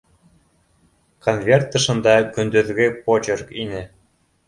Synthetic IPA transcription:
konvʲert̪ːɤ̆ʃɤ̆nd̪ɑkø̆nd̪ø̆ðɡʲepot͡ɕerkinɘ̆

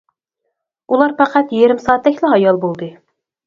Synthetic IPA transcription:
ulˠɑɾpʰæqʰæt̪jeɾɪmsɑːt̪d̪ɛkʲlɪɦɑjɑlˠbolˠd̪ɨ

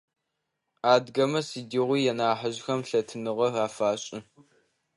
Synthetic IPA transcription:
aːdɡɐmɐsidiʁʷijɛnaːħɐʑxɐmɬɐtʰɨnɨʁɐraːfaːɕʼɪ

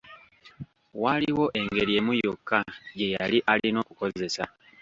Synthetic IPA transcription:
waliwo̞ʔe̞ŋɡe̞ɾije̞mujokːaje̞jaliʔalino̞ːkuko̞ze̞sa

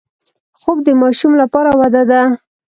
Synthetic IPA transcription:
xob̚d̪əmɑʃumlapɑɾawad̪ad̪a

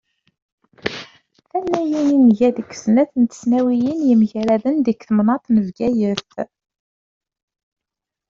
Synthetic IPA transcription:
θænːæjininʝæðəkːə̥snæθənt̪ə̥snæwijənjəmʝɾæðənd̪əkθəmnɑt̪ˤnəvɡæjəθ

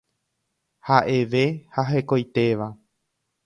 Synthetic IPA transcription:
haʔe̞ʋe̞haɦekojt̪e̞ʋa

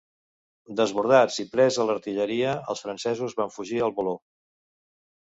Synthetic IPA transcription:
d̪əzβuɾð̞ad͡zipɾɛzələɾt̪iʎəɾiəə̰lˠsfɾənsɛzuzβaɱfuʒiəlˠβulo

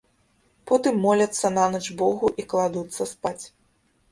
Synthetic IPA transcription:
pɔt̪ɨmːɔlʲɐt̪sːɐnanɐt͡ʂbɔɣuʔiklˠad̪ut̪sːɐspat͡sʲ

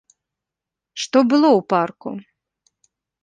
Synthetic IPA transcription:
ʂt̪ɔbɨlˠɔwparkṵ

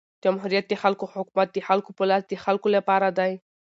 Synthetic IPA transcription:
d͡ʒamhuɾijat̪̚d̪exalkohʊkumat̪̚d̪exalkopolat̪d̪exalkolapɑɾad̪aj

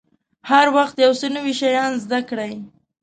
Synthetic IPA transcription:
haɾwaxt̪jawsənəwiʃajɑnzd̪akɽaj

